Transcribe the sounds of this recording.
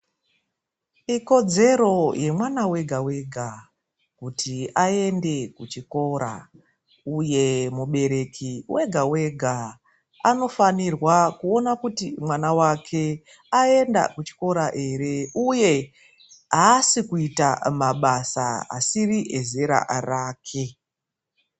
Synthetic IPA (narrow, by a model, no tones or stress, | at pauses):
iko̞d͡ze̞ɾo̞je̞mwanawe̞ɡʱawe̞ɡʱa | kutʰiae̞nde̞kut͡ʃiko̞ɾa̰ | uje̞muɓe̞ɾe̞kiwe̞ɡʱawe̞ɡʱa | ano̞fanirwakuo̞nakutimwanawakʰe̞ | ae̞nda̰kut͡ʃi̥ko̞ɾaʔe̞ɾe̞uje̞ | ɦaːsikuitamaɓasaɦa̰siriʔeze̞ɾa̰ʔraːkʰe̞